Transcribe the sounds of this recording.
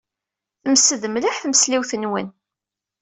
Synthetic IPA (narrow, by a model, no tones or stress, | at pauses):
θəmsəðəmlaħθəməsliwθənwən